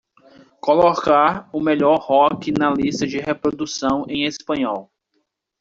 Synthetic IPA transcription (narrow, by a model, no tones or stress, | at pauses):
kolɔkaɾʊmeʎɔɾhɔkɪnɐlist̪ɐd͡ʒɪhepɾod̪usɐ̃w̃ẽj̃espɐ̃ɲɔw